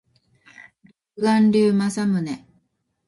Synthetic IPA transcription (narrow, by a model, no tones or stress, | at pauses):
ɾokɯɡãnɾʲɨːmasamɯ̟ne